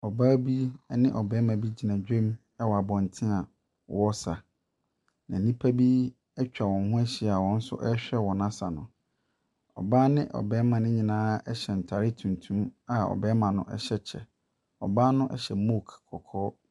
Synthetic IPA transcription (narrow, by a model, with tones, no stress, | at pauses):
ɔ˨baː˦bi˦nɪ̃˦ʔɔ˨bɛː˦mã˨bi˦d͡ʑi˨nã˨d͡ʑᶣɛ̃˦m | ɛ˦wɔ˨a˨bɔ̃˨n˨tʰɪ̃˦a˨ | wɔ˦sa˨ | nã̰˨nĩ˦pʰa˦bi˦ | ɛ˦t͡ɕᶣa˨wɔ̃˨n˦hʊ̃˦ɛ˦ɕi˨a˨wɔ̃˦n̩˦sʊ̰˦ʔɛ˦ɕᶣɛ˦wɔ̃˨nã˦sa˨nʊ̃˨ | ɔ̰˨baː˦nɪ̃˦ʔɔ̰˨bɛː˨˦mã˨nɪ̃˦ɲĩ˨nãː˦ɛ˦ɕɛ˨n̩˨tʰa˨ɾɪ˦tʰũ˨ntʰũ˦ma˨ɔ̰˨bɛː˦mã˨nʊ̰̃˦ʔɛ˦ɕɛ˦t͡ɕʰɛ̰˨ | ɔ̰˨baː˦nʊ̃˦ʔɛ̰˦ɕɛ˨mo˦˨kʰkʰɔ˨kʰɔː˦